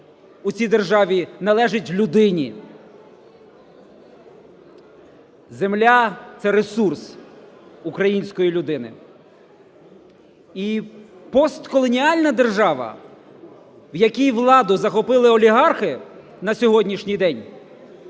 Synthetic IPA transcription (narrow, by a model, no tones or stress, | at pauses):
ut͡sʲijd̪erʒɑʋʲinɐlˠɛʒɪtʲlʲʊd̪ɪnʲi | zemlʲat̪sɛɾesurs | ukɾɐjinʲsʲkɔjilʲʊd̪ɪnɪ̰ | ipɔst̪kɔlˠɔnʲiɑlʲnɐd̪e̞rʒɑʋɐ̰ | wjɐkʲijʋlˠɑd̪ʊzɐxɔpɪlˠɪɔlʲiɦɑrxɪ | nɐsʲɔɦɔdʲnʲiʃnʲijd̪ɛnʲ